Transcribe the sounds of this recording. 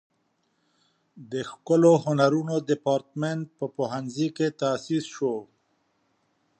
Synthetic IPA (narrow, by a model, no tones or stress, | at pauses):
d̪əxkəlohʊnaɾunod̪ɪpɑɾt̪meɳʈ̚pəpoɦanziket̪asisʃo